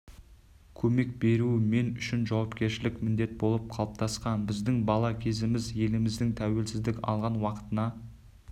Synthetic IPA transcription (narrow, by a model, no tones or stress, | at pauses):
kʲʰɵme̞k̚be̞ɾuɪme̞nʏʃɪnʒɑwɑpkʲe̞ɾʃɪlɪkmɪnd̪e̞t̪̚bo̞lˠəp̚qʰɑlˠəp̚t̪ɑsqɑnbɪzd̪ɪŋbɑlˠɑkʲʰe̞zɪmɪzje̞lɪmɪzd̪ɪŋt̪ʰæwe̞lsɪzd̪ɪkʲɑ̰lˠʁɑnwɑqə̥t̪ənɑ